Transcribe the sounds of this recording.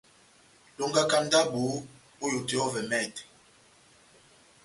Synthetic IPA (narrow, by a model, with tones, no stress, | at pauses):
lo˦ŋɡa˦ka˦n˦da˦bu˨˦ | o˦jo˨te˨˦ɔ˦vɛ˨mɛ˦˨t